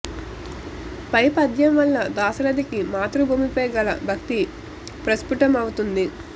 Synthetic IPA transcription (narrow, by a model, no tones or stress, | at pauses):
pɐjpɐd̪ʱjɐmʋɐlːɐd̪aːsɐɾɐd̪ikimaːt̪ɾubʱuːmipɔːjɐɡɐlɐbʱɐk̚t̪i | pɾɐspuʈɐmɐwut̪und̪i